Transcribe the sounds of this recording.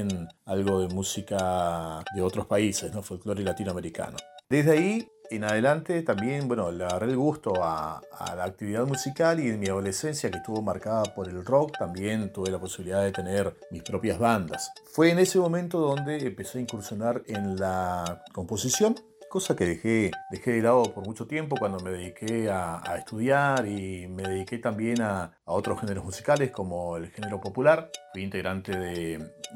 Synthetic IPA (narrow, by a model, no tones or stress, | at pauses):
enalɣo̞ðemusikaðeo̞t̪ɾospaisesno̞folkloɾilat̪inoameɾika̰nod̪ezðeai | enaðelant̪et̪ambje̞nbwenoleɣarelɣust̪o̞a̰a̰laːk̚t̪iβiðaðmusikalienmiað̞o̞lese̞nsjakeht̪uβomaɾkaðapo̞ɾe̞lro̞k̚t̪ambje̞nt̪uβe̞lapo̞siβiliðaðe̞t̪e̞neɾ | mispɾo̞pjazβand̪asfweːne̞semo̞mẽnt̪o̞ðo̞nd̪eːmpeseaiŋkuɾsjo̞naɾenlako̞mpo̞sisjo̞n | ko̞sakeðexed̪exeðelaðopo̞ɾmut͡ʃo̞t̪je̞mp̬okwand̪o̞me̞ðeðikeaa̰est̪uðjaɾimeðeðike̞t̪ambje̞naː | o̞t̪ɾosxeneɾozmusi̥kalesko̞mo̞elxeneɾo̞po̞pulaɾfwiint̪e̞ɣɾant̪eðee